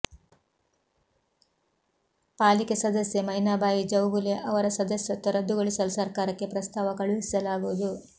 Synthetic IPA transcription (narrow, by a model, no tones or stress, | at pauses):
paːlike̞sɐd̪ɐsjemɐjnaːbaːjid͡ʒɐwbuleʔɐʋɐɾɐsɐd̪ɐsjɐt̪ːɐɾɐd̪uɡɐɭisɐlusɐɾkaːɾɐkːe̞pɾɐst̪aːʋɐkɐɭuʋisi̥sɐlaːɡuʋud̪u